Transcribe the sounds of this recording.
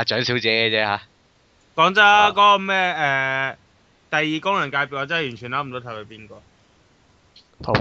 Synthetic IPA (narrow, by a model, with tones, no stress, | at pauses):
a˨˧t͡ʃœː˨˥ŋsi˨˥wt͡sɛː˨˥ɛ˧t͡sɛː˦˥haː˨˥ | kɔː˨˥ŋt͡sɐ˦˥kɔː˨˥kɔ˧mɛː˥ʔɛː˨˧ | t̪ɐ˨jːiː˨˧kʊ˥ŋjɐ˨˩nkaː˧jpiː˨wɔː˨˧˩t͡sɐ˥˨jyː˨˩nt͡ʃʰyː˨˩naː˨˥m̩˨t̪o˨˥t̪ʰɐ˨˩wkɐ˨˧˥piː˥nkɔː˧ | t̪ʰ